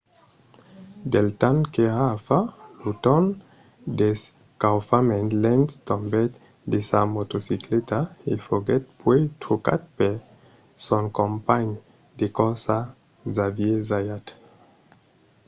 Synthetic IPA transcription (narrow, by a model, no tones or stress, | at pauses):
d̪elt̪ankeafalut̪ɔn | des | kawfamɛ̃nlɛntt̪ɔ̃mbɛt̪ | d̪esamot̪osiklet̪aefoɡɛt̪̚pwet̪ʰoka̰t̪̚pe | sɔ̃ŋkompaɲ | d̪ekɔ̃nsa | zavjezajat̪